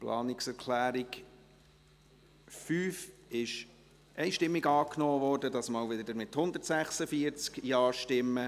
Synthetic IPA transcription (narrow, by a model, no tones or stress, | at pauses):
plʔɑ̰ːnɪksɛɾkʰlæːɾiɡ | fyːfɪʃ | ʔɛɪʃtɪmːiɡɑːknɔːʋɔːrdədɑsmɑːlʋɪdəd̪əɾmɪthʊnd̪ətsæχsəfiəɾt͡skjɑːɾʃtɪmːə